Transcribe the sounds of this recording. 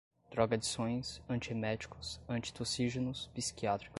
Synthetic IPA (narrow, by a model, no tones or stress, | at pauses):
d̪̥ɾɔɡɐd͡ʒisõj̃sɐ̃nt͡ʃiemɛt͡ʃi̥kʊsɐ̃nt͡ʃi̥t̪osiʒenʊspisi̥kiat̪ɾi̥k